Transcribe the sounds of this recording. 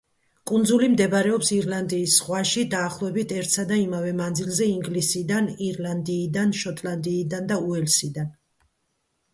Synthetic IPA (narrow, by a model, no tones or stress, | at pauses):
kʼund̪zulimd̪ɛbaɾɛɔpsiɾland̪iːsːχwaʃid̪aːχlˠɔɛbit̪ʰɛɾt̪ʰsad̪aimavɛmand̪zilˠzɛiŋɡlisid̪aniɾland̪iːd̪anʃɔt̪ʼland̪iːd̪and̪auɛlsid̪an